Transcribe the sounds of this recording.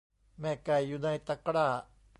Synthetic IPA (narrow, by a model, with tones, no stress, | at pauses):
me˨ka˨jjuna˦˧jt̪a˧kɾa˨